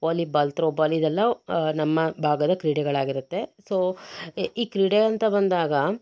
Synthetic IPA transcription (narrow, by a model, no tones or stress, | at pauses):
olibɐlt̪ɾoːbɐlid̪ɛlːɐnɐmːɐbʱaːɡɐd̪ɐkɾiːɽɛɡɐɭaːɡiɾut̪ːe̞soː | iːkɾiːɽeɐnt̪ɐbɐnd̪aːɡɐ